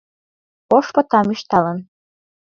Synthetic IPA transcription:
oʃpɤ̆t̪ɑmyʃt̪ɑlɤ̆n

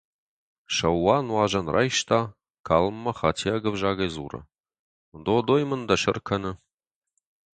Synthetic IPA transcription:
ʃɐwːaːnwɑːʒɐnrʔa̰ːjʃtʰaː | kʰaːlmːɐχaːtʰiaɡɐvʒaːɣɐjzṵːrɐ̰ | d̪od̪oːjmɨnd̪ɐʃɪrkʰɐnɨ

